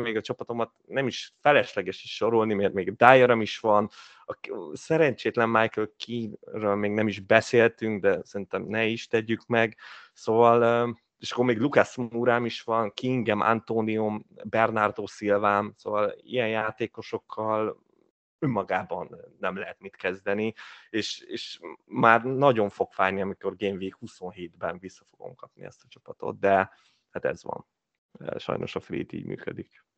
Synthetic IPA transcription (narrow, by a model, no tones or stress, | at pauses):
meːɡɒt͡ʃɒpɒt̪o̞mɒt̪nɛmiʃfɛlɛʃlɛɡɛʃiʃʃo̞ɾolnimeːrmeːɡd̪aːjoɾɒmiʃʋɒn | ɒsɛɾɛɲt͡ʃeːt̪lɛmːajkølkirøːlmeːɡnɛmiʒbɛseːlt̪yŋkd̪ɛsɛɾint̪ɛmnɛiʃt̪ɛɟykmɛɡsoːvɒl | eʃɒ̥kːormeːɡlukasmuɾaːmiʃʋɒnkiŋɡɛmʔa̰nt̪oːniumbɛrnard̪oːsilvaːmso̰ːvɒlḭjɛnjaːt̪eːko̞ʃo̞kʰːɒl | ømːɒɡaːbɒnːɛmlɛɦɛt̪mit̪kɛzd̪ɛnieːʃeːʃmaːrnɒɟo̞ɱfo̞ɡfaːrniɒmiko̞rɡeːɱviːkhuso̞nɦeːd̪bɛnvisːɒfo̞ɡo̰mkɒpnḭɛ̰st̪ɒt͡ʃɒ̥pɒt̪o̞̰t̪̚d̪ɛ | hat̪ɛ̰zʋɒ̰n | ʃɒ̰jnʔo̞̰ʃɒfrḭːt̪ḭːɟmʔy̰ːkød̪ik